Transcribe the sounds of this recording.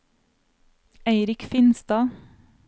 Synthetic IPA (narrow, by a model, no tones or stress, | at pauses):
eɪɾɪkfɪnst̪ɑː